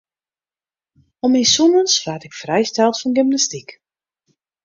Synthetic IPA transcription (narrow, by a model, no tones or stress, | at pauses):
ɔmijsunənsʋaːtɪkfrɛjstɛlˠtfɔnɡɪmnastik